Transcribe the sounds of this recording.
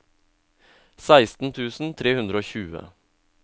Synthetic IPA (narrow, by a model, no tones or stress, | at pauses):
sæɪst̪n̩t̪ʰʉːsn̩t̪ʰɾeːhʉnd̪ɾəoːçʉːə̰